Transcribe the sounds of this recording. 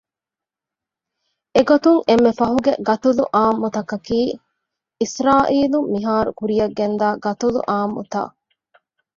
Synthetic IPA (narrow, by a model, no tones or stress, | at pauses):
eɡot̪uŋemːefɐɦuɡḛɡɐt̪ulṵʔaːmːut̪ɐkɐkiː | isɾaːʔiːlumːiɦaːɾṵkuɾijɐɡːend̪aːɡɐt̪ulṵʔaːmːṵt̪a̰ː